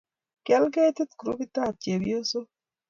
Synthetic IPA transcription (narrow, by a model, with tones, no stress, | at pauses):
kɛ˦lɡe˦t̪i˦t̪kɾu˦bi˦t̪a˦˨t͡ʃe˨bj̰o˦so˦